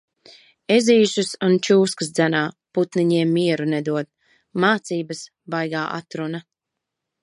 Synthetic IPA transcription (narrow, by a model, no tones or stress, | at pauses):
ɛziːʒusunt͡ʃuːskɨs̬d̪zænaː | put̪niɲiɛmːiɛɾunɛd̪uɔd̪̚ | maːt̪siːbɐs | bajɡaːʔa̰t̪ɾuna